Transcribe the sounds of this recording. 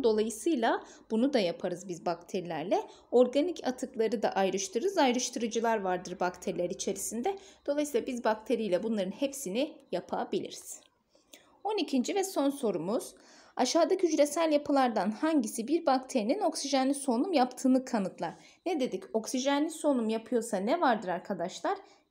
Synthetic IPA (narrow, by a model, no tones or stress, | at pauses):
d̪o̞lˠajɯsɯjlˠa | b̥unud̪ajapʰaɾɯzbizbak̚t̪ʰeɾilʲæɾlʲɛ | o̞ɾɡanicʰat̪ʰɯklˠaɾɯd̪a̰ʔajɾɯʃt̪ʰɯɾɯzajɾɯʃt̪ʰɯɾɯd͡ʒɯlˠaɾvaɾd̪ɯɾbakt̪ʰeɾilʲæɾit͡ʃʰe̞ɾisind̪ɛd̪̥o̞lˠajsiːlˠabizbakt̪ʰe̞ɾijlʲɛbunlˠaɾɯnhepsinijapʰabilʲḭɾiz̥ | o̞nicʰind͡ʒivɛso̞nso̞ɾumuz̥ | aʃaːd̪acʰyd͡ʒɾe̞sælʲjapʰɯlˠaɾd̪anhaɲɟisibiɾbakt̪ʰe̞ɾinino̞ksiʒanlʲiso̞numjapt̪ʰɯːnɯkʰanɯt̪lˠaɾ̥ | ned̪e̞d̪ico̞ksiʒanlʲiso̞numjapʰɯjo̞sanɛvaɾd̪ɯɾaɾkʰad̪aʃlˠaɾ̥